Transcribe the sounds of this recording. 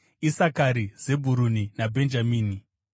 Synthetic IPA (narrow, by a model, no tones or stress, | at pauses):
isakaɾize̞bʱuɾuninabʱe̞nd͡ʒamiːni